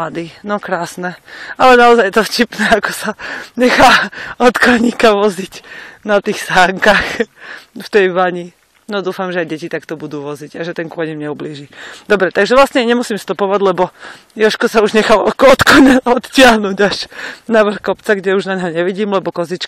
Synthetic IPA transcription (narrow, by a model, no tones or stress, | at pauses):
ad̪iːnɔkɾaːsnɛalɛnaɔzajɛt̪ɔfcipnɛakɔ̥saɲɛxaːɔt̪kɔɲikaʋɔzicnat̪iːxsaːŋkax | ft̪ɛjʋaɲi | nɔd̪uːfamʒɛajɟɛcit̪akt̪ɔbud̪uːʋɔziɟaʒɛt̪ɛnŋkʊɔɲimɲɛubliːʒid̪ɔbɾɛt̪aɡʒɛʋlasɲɛɲɛmusiːmst̪upɔʋaɟlɛbɔ | jɔʃkɔsauʒɲɛxaɔkɔt̪kɔɲaɔt̪tɪaɦnuɟaʃnaʋr̩xkɔpt͡saɡɟɛuʒnaɲɦɔɲɛʋiɟiːmlɛbɔkɔzit͡ʃk